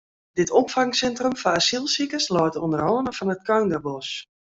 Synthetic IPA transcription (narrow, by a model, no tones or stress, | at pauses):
dɪtɔpfaŋsɛntrəmfaasilˠsikəslɔːtəondərɔːnəfɔnət̚kœɥnɡəbɔs